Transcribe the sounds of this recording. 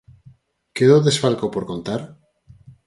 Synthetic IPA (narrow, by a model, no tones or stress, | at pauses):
keðoðesfalkopoɾko̞nt̪aɾ